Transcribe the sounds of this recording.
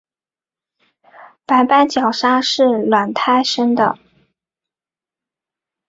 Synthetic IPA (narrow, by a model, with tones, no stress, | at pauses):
pa˧˥ɪpa˥nt͡ɕjɑ˨˩ʊʂa˥ʂɻ̩˥˩lwa˨˩nt̪ʰa˥˩ɪʂə˥ŋd̪ə̰˨